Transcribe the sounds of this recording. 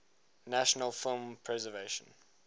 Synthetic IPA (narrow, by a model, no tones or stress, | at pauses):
næʃənəlˠfɪlˠmpʰɹɛzəveɪʃə̃n